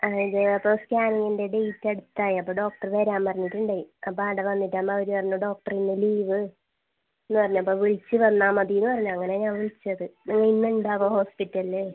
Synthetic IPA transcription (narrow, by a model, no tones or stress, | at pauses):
ɐiðɨɐpːoːskʲaːniŋːɨnde̞ɖejtːɐɽut̪ːaːjiɐpːoːɖo̞ːk̚ʈɐrʋeɾaːmpɐrɐɲːiʈːuɳɖaːjiɐpːoaːɽɐʋɐnːitːaːmːɐʋɐɾupɐrɐɲːuɖo̞ːk̚ʈɐrinːɨliːʋɨ | enːuɨpɐrɐɲːuɐpːoːʋiɭt͡ɕːɨʋɐnːaːmɐðijinːɨpɐrɐɲːuɐŋːɐneɲaːnʋiɭit͡ɕːɐðɨniŋːɐinːuuɳɖaːʋoːho̞ːspitːɐlle